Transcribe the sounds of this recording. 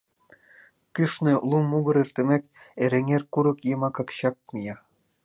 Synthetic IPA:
kʲyʃnʲɘ̆lˠumuɡɤ̆ɾirʲt̪ĕmʲekʲeɾĕŋʲerkuɾɤ̆kjɤmɑkɑkɕɑk̚mʲijɑ

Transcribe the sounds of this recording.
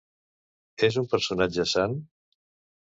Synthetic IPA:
ezumpəɾsunad͡ʒəsan

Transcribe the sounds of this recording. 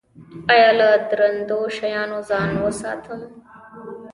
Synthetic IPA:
ajɑːlad̪ɾɐnd̪oʃɐjɑːnozɑːnwəsɑ̰ːt̪ʰəm

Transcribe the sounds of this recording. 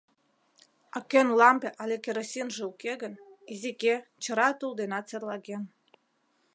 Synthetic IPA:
ɑkenlɑmpeʔɑlʲekʲeɾosʲinʒĕukeɣənizʲiket͡ɕə̆ɾɑt̪uld̪enɑt̪t͡serlɑɣen

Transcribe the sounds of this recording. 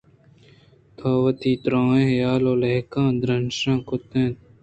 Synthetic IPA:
t̪ʰaːwɐt̪iːt̪ɾãːẽːjaːloːleɦkãːd̪ɾɐnʂãːkot̪ẽːt̪̚

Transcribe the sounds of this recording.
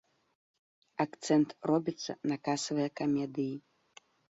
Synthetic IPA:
akt̪sɛnt̪rɔbʲit̪sːɐ̰nakasɐvɨjɐkamʲɛd̪ɨji

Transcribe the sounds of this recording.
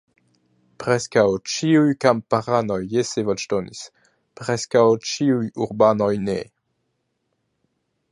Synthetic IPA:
pʁɛskawt͡ʃiujkampaʁanojːesevaʃt̪onḭs | pʁɛskawt͡ʃiujuʁbanojne

